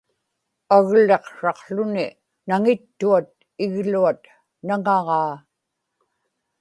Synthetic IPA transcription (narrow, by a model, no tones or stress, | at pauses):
aɣle̞qʂɑqɬʊnɪ | naŋɪt̪ːuat̪̚ | ɪɣluat̪ | naŋɑʁɑː